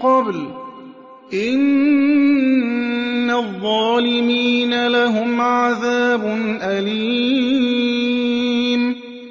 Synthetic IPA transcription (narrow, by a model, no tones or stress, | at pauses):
qɑbl | ʔɪn | aðˤːɑːlɪmiːnalaɦʊmʕaðaːbʊnʔaliː | m